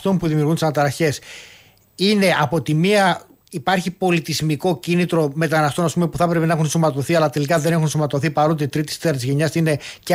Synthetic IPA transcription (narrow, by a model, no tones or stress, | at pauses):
t̪o̞mpuðimiuɾɣunt̪isɐnɐt̪ɐɾɐçe̞s | ine̞ʔɐpo̞t̪imiɐ | ipɐɾçipo̞lit̪izmiko̞cinit̪ɾo̞me̞t̪ɐnɐst̪o̞nɐspumepuθɐpɾe̞penɐexunsomɐt̪o̞θiɐlɐt̪e̞likɐðe̞ne̞xunsomɐt̪o̞θipɐɾo̞t̪̬eit̪ɾit̪i̥st̪eɾɐt̪izʝe̞ɲɐsine̞c